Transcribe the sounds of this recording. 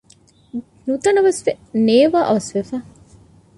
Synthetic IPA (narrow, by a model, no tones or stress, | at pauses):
nut̪ɐnɐʋɐsʋeneːʋaːʔɐʋɐsʋefæ